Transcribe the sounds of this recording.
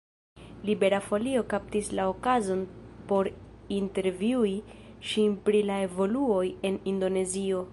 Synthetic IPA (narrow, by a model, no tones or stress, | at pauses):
libe̞ɾafo̞lio̞kap̚tislao̞kazo̞npo̞ɾ | inte̞ɾviui | ʃinpɾilae̞vo̞luo̞je̞nindo̞ne̞zio̞